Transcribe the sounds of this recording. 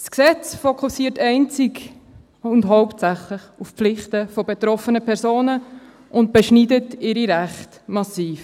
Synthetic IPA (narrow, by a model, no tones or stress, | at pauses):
sksɛt͡sfokʰusiːətɛɪnt͡sɪk | ʊndɦɔʊptsæχlɪχufpflɪχtəfɔbetɾɔfənəpʰɛɾzoːnə | ʊnt̚b̥ɛʃnidətɪɾiɾæχt | mɑsiːf